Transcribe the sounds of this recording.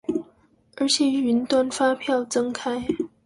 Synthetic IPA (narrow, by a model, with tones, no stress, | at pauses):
ə˧˥t͡ɕʰjɛ˨˩y˧˥nt̪wa˥˧nfa˥pʰjɑ˥˩ʊt͡sɤ˥ŋkʰa˥ɪ